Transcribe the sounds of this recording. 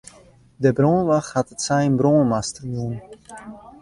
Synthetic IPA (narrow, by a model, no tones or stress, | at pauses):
dəbroːnʋaxhatətsɛjənbroːnmastərjuən